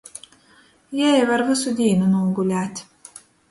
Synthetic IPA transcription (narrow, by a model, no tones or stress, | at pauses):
jɛjvaɾvɨsud̪ʲiːnunuːŋɡulʲæːt̪ʲ